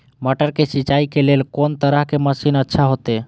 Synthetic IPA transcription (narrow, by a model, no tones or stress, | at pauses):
maʈəɾkesit͡ʃaikeleːlkont̪əɾəɦkeməsinətːʃʰaɦot̪e